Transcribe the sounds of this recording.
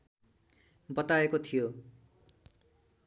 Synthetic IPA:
bʌt̪aekot̪ʰijo

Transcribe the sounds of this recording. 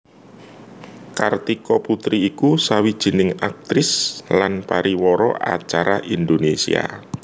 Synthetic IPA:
kart̪ikɔput̪ɾiːkusawid̥ʒ̥i̤nɪŋak̚t̪ɾɪslanpaɾiwɔɾɔ̰ʔa̰t͡ʃaɾaʔind̪onesḭa̰

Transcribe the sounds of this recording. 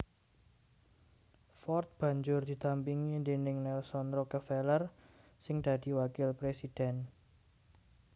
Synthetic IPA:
fɔrt̪̚b̥ä̤ɲd͡ʒʊrd̪̥i̤t̪ampiŋind̪enɪŋnɛlsɔnɾɔkəfɛlər | sɪŋd̪̥ä̤d̪̥i̤wakɪlpɾesid̪̥ɛn

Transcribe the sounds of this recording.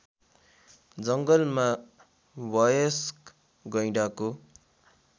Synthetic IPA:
d͡zʌŋɡʌlma | wʌjʌsk | ɡʌjɽako

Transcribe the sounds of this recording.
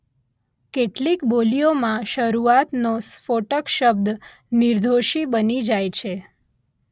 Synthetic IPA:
keʈlikbolijomãʃəɾuat̪nosfoʈəkʃəb̚d̪ | niɾd̪ʱoʃibənid͡ʒajt͡ʃʰe

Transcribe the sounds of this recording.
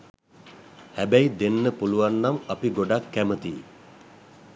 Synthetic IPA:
hæbæjd̪enːəpuluʋanːamɐpiɡoɖakːæmət̪ḭː

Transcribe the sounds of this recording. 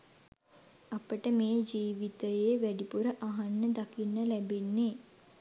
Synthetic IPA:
apəʈəmejəd͡ʒiːʋit̪əjeːʋæɖipuɾəʔaɦanːəd̪akinːəlæbenːe

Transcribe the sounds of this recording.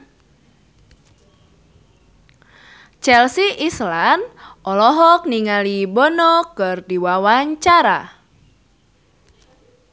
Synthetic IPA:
t͡ʃɛlsiʔislanʔɔlɔɦɔk̚niŋalibɔnɔkɨrdiwawaɲt͡ʃaɾa̰

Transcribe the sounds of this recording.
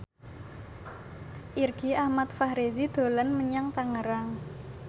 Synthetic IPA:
ʔirɡ̥iahmat̪fahɾezid̪̥o̤lanməɲaŋt̪aŋəɾaŋ

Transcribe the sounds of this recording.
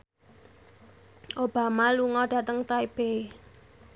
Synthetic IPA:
ʔob̥a̤maluŋɔɖ̥ä̤t̪əŋt̪aib̥e

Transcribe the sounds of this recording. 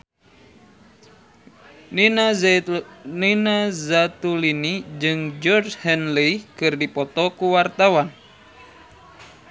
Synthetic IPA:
ninazat̪ulinid͡ʒɨŋd͡ʒɔrd͡ʒhɛnlikɨrdipɔt̪ɔkuwart̪awan

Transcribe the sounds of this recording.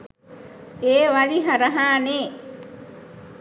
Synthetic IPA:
eːʋaliɦɐɾɐɦaːneː

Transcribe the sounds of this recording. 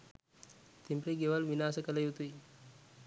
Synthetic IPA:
t̪impɾiɡeʋəlʋinaːsəkələjut̪ui

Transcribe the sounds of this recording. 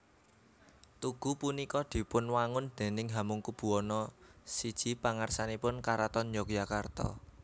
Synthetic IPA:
t̪uɡ̥upunikɔd̪̥i̤pʊnwaŋʊnd̪̥e̤nɪŋɦamʊŋkub̥ṳɔnɔsid̥ʒ̥i̤paŋarsanipʊnkaɾat̪ɔnjɔk̚jakart̪ɔ̰

